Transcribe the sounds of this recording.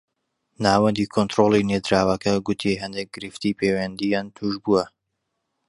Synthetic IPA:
naːwɐnd̪iːkʰont̪ɾolˠined̪ɾaːwɐkɐɡut̪ʰiɦɛnd̪ek̚ɡ̥ɨɾɨft̪ipʰeːwɛnd̪ijaːnt̪ʰuʒbuwɐ

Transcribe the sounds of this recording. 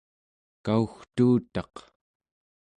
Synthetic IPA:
kauxt̪uːt̪ɑq

